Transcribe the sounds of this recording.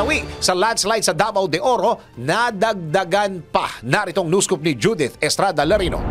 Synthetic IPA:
ɐwiksɐlad̪slajd̪sɐd̪abɐwd̪ɛʔoɾo̞ | nɐd̪ɐɡ̚d̪ɐɡanpɐ̰nɐɾɪt̪oŋnuːskʊp̚nɪd͡ʒud̪ɪt̪ɛst̪ɾad̪ɐlɛɾino̰

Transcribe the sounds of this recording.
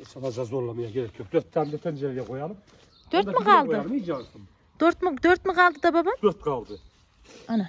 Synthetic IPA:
sɑb̪ɑʒɑzbolˠːaməjakʲʰeɾekʲʰːøplet̪ʰæmd̪et̪ʰənʒeɾɡʲeqʰo̞jɑlˠəp | t̪ʰøɾt̪məqɑlˠd̪əs | t̪ʰøɾt̪mət̪ʰɵɾt̪məɴɑlˠd̪əd̪ɑbɑbɑt̪ʰɵɾt̪̚qʰɑlˠd̪ə | ɑna

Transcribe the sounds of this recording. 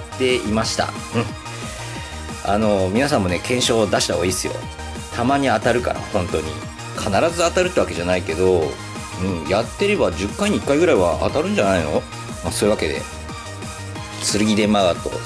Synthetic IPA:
t̪ːe̞imaɕi̥t̪a̰ | ɯ̟̃ɴ | ano̞mʲinasãmːo̞ne̞kʰẽ̞ɰ̃ɕo̞ːd̪aɕi̥t̪aoiːsɨjo̞̰ | t̪ʰamaɲ̟iat̪aɾɯ̟ka̰ɾa̰hõ̞nt̪o̞ɲ̟ḭ | kʰanaɾazɨat̪aɾɯ̟t̪ːeβake̞ʑanaike̞d̪o̞ | ɯ̟̃ːɴjat̪ːe̞ɾe̞bad͡ʑɨkːaiɲ̟iikːaiɡɯ̟ɾaiβa̰ʔa̰t̪aɾɯ̟̃ɲ̟d͡ʑanaino̞̰ | maso̞ːɯ̟βake̞d̪e̞̰ | t͡sɨɾɯ̟ɡʲid̪e̞maɡat̪o̞̰

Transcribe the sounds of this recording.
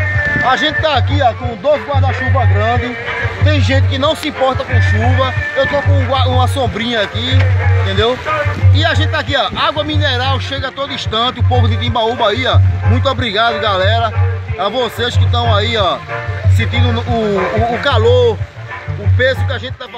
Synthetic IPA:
aʒẽnt̪ɪt̪aakiakõd̪ozɡwaɾzd̪aʃuvɐɡɾɐ̃d̪ɪt̪ẽj̃ʒẽt̪ɪkɪnɐ̃w̃sɪĩpɔɾt̪ɐkõʃuvɐewt̪okõaũmɐsõbɾĩɲɐakiĩt̪ẽnd̪ewɪaʒẽt̪ɪt̪ak̬iaʔaɡwɐmĩnɛɾawʃeɡɐt̪od̪ʊiʃt̪ɐ̃t̪ɪʊpovʊd̪ɪt̪ĩbaubaiamũj̃t̪ʊobɾiɡad̪ʊɡalɛɾɐavoseʃkɪt̪ɐ̃w̃aiasẽnt̪ĩnd̪ʊʊːkalo | ʊpezʊkɪaʒẽt̪ɪ̥t̪a

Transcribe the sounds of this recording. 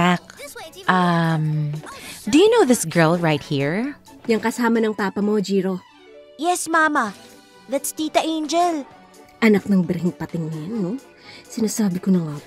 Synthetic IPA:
ak̚ʔɐm | d̪ujunoʊðɪsɡɜ˞lˠɹaɪt̚hiɹ | jɐŋkɐsaːmɐnɐŋpaːpɐmo̞d͡ʒiːɾo̞ | jɛsmamɐ | ðɐt̪st̪iːt̪ɐʔẽnd͡ʒɛl | ʔɐnɐk̚nɐŋbɪɾɦɪŋpɐt̪ɪŋnɐnːo | sɪnaːsaːbɪkonɐŋaː

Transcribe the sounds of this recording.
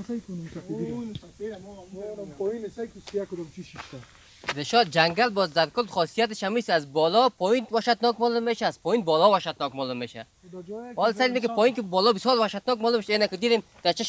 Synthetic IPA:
skʰonmka | pɔjinskisijakʊd̪ɔmt͡ʃʰiʃiʃt̪a | ɾeʃɔd̪̚d͡ʒaŋɡalbɔzd̪aɾkʊld̪χɔsijat̪ɪʃamisazbɔlɔpʰɔjinwaʃat̪nɔkmɔlʊmːeʃaːz̥pɔjinbɔlɔwaʃat̪nɔkmɔlʊmːeʃa̰ | ɔlsad̪imikɪpʰɔjinkɪbɔlɔbisjɔɾwaʃat̪nɔkmalʊumʃenakid̪id̪em | d̪̥aɾt͡ʃʰiʃ

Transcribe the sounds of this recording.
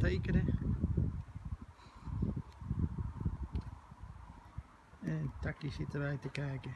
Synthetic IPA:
tejkənə | ɛntakisɪtəʋɛjtəkɛːkə

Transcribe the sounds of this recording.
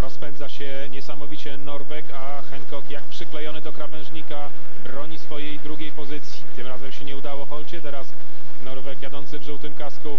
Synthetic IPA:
ɾɔspɛnd̪zaɕɛ | ɲɛsamɔvʲit͡ɕɛnɔɾvɛka | xɛŋkɔkjak̚pʂɘklɛjɔnɘd̪ɔkɾavɛ̃ʐɲika | bɾɔɲisfɔjejd̪ɾuɡʲejpɔzɘt̪sʲjit̪ɘmɾazɛmɕɛɲɛud̪awɔxɔlt͡ɕɛt̪ɛɾas | nɔɾvɛkjad̪ɔnt̪sɘvʐuwt̪ɘmkasku

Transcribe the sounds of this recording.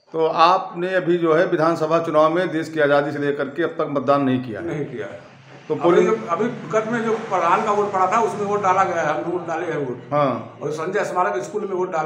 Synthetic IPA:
t̪oːaːpneɐbʱid͡ʒoːɦɛʋɪd̪ʱaːnsəbʱat͡ʃʊnaːwmẽd̪eːskiaːd͡ʒaːd̪iselekəɾkeɐb̚t̪əkmət̪̚d̪aːnːɐɦĩkija̰nɐɦĩkija̰ɦ | t̪opolɪɐbʱiɡət̪mẽd͡ʒoːpɾəd̪ʱaːnkaʋoːʈpɐɽat̪ʰaʊsmẽʋoːʈ̚ɖaːlaɡɐjaɦɛɦɐmneʋoːʈ̚ɖaːleɦɛʋoːʈɦãɔ̰ːɾsɐ̃nd͡ʒəsɐmaːɾakɪskuːlmẽʋoːʈ̚ɖaːl

